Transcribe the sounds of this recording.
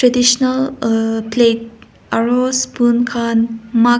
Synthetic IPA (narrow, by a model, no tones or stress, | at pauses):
tadiʃɔnəlplet̚ | aɹospunkʰanma